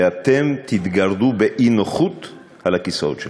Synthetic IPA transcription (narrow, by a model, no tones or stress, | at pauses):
eat̪emt̪it̪ɡaʁd̪ubeʔinoχut̪ | halhakisao̰t̪ʃe